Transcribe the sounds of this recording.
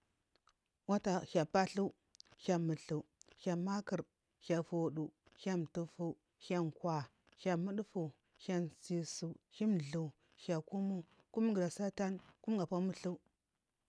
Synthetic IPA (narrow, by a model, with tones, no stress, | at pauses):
wa˦ta˨ça˨pa˦ɬu˦ | xa˨mu˨ɬu˨ça˨ma˦kə˨ɾ | ça˨fu˨ɗu˨ | ça˦m˨tu˨fu˦ | ça˦nkwa˨ | ça˨mu˦ɗfu˨ | ça˦nsi˨su˨hi˦m˨ɮu˨ | ça˨ku˦mu˦ | ku˦m˦ɡi˨ɾa˨sa˦ta˦nku˦m˦ɡa˨pa˦mu˦ɬu˦